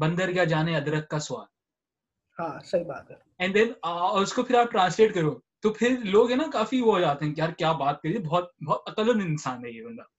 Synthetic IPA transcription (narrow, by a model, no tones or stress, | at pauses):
bɐ̃nd̪əɾjad͡ʒaːneɐd̪ɾəkːasʊʋa̰ːl | hãːsɐɦibaːt̪̚kɐɾ | ɛ̃ɳd̪ɛ̃nɔːɾʊskopʰɪɾaːp̚ʈɾãːnsleːʈkɐɾoːt̪opʰɪɾloːɡɦɛnakaːfiʋoɦod͡ʒaːt̪eɦɛ̃kʲjaːɾkjaːbaːt̪̚kɐɾiebɔɦt̪̚bɔːt̪ɐkələnɪnsaːnɦɛiɦɛbɐ̃nd̪aː